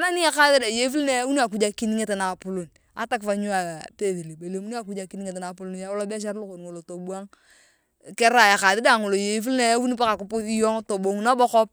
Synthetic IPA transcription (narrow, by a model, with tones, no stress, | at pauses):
a˦na˦ni˦a˦ka˦ði˦da˨je˦fu˦lne˦wu˦ni˦a˨k̬u˦d͡ʒa˦ki˦ni˦ŋe˦te˨na˨pu˦lo˨n | a̰˨˦ta˦kfa˨ɲu˦a˨pe˦ði˨li˨be˨le˨mu˦ni˦a˨ku˦d͡ʒa˨ki˦ni˦ŋe˨te˨na˨pu˦lu˦nja˦wla˦bɛ˦ʃ̬a˦ɾlu˦ko˨n˨ŋo˨lo˨to˨bu˦a˦ŋ˨ | ke˦ɾa˨ja˨ka˨ðɪ˦da˨ŋo˨lo˨je˨˦f̬u˦lne˦ju˦ni˦pa˦ka˨ku˦pu˦si˦jo˦ŋto˨bo˨ŋ˦na˦bɔ˦kɔ˦p̚